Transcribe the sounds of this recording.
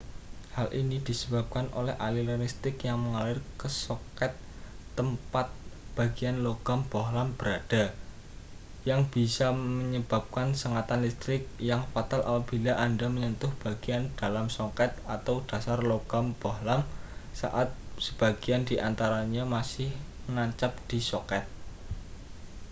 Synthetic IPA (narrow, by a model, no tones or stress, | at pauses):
halʔinid̪̥i̤səb̥a̤p̚kanʔo̰lɛhʔa̰lilanist̪ɪkjaŋməŋalɪrkəsɔkɛt̪ː | əmpat̪̚b̥a̤ɡ̥ianloɡ̥amb̥oɦlamb̥əɾad̥a̤ | jaŋb̥isaməɲəb̥a̤p̚kansəŋat̪anlist̪ɾɪk̚jaŋfat̪alʔamab̥ilaʔandaməɲɔnt̪ʊhb̥a̤ɡ̥iand̥alamsɔkɛt̪̚at̪awd̥a̤sarloɡ̥amb̥ɔɦlamsa̰ʔat̪̚səb̥aɡ̥iandiʔant̪aɾaɲamasɪh | mnaɲt͡ʃap̚d̪̥isɔkɛt̪̚